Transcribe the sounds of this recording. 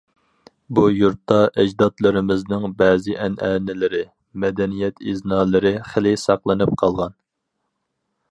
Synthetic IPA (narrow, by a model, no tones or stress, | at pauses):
bujuɾt̪ːɑʔɛd͡ʒd̪ɑt̪lˠɨɾɪmɪznɪŋbɛːzɪʔɛnʔɛːnɪlɪɾɪ | mɛd̪ɛnijɛt̪iznɑːlˠɨɾɪχəlɪsɑqlˠɨnɨp̚qʰɑlˠʁɑn